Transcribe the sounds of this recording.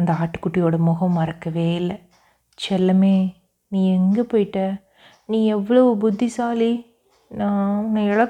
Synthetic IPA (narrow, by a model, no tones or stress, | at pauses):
nd̪ɐaːʈːɯ̥kːʊʈːɪjoːɽɐmʊɣɐmːɐɾɐkːɐʋeːɪlːɐ | t͡ʃɛlːɐmeː | nĩːɛŋɡɐpoːjɪʈːɐ | nĩːɛʋːɐɭoːbʊd̪ːisaːli | nãːʊnːɐɪɭɐk